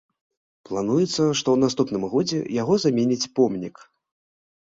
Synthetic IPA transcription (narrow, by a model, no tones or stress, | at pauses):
plˠanujɛt̪sːɐʂt̪ɔwn̪ast̪upn̪ɨmɣɔd͡zʲɛ̰jaɣɔzamʲenʲit͡sʲpɔmnʲik